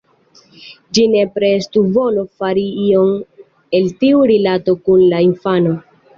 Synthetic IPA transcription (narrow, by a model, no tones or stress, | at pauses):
d͡ʒine̞pɾe̞stuvo̞lo̞faɾiio̞ŋ | e̞ltiuɾilato̞kunlaiɱfano